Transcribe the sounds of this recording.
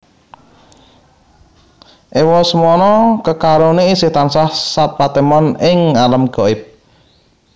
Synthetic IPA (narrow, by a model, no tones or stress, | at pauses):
ʔewɔsəmuɔnɔkəkaɾoneisɪht̪ansahsat̪̚pat̪emɔnɪŋaləmɡ̥ɔɪp̚